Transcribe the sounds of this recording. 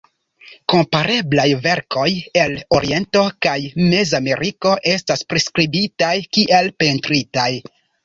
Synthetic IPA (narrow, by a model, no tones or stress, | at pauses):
ko̞mpaɾe̞blajve̞ɾkʰo̞je̞loɾie̞nto̞kajme̞zame̞ɾʔiko̞ʔe̞staspɾeskɾibitajkiʔe̞lpentɾitaj